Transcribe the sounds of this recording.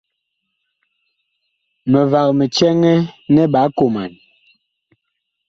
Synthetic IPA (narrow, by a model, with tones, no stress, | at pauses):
mɛ˨va˨k̚mɛ˨t͡ʃɛ˦ŋɛ˦nɛ˦ɓa˨˦ko˨ma˨n